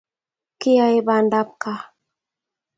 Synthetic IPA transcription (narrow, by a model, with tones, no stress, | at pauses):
ki˦ja˦i˦ba˨nda˦p̚ka˦